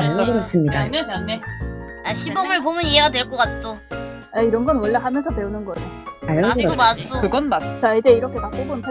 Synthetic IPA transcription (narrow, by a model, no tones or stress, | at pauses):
aʌɡɯɾʌs͈ɯmɲidane | aɕʰibʌmɯɭpomɯnieɡadwe̞ɭk͈ʌk͈ats͈o | aiɾʌnɡʌnwʌɭːaɦamjʌnsʰʌpe̞unɯnɡʌaiʌɡaoaokɯɡʌnmat͡ɕaid͡ʑe̞iɾʌkʰe̞mak͈ebonpʰa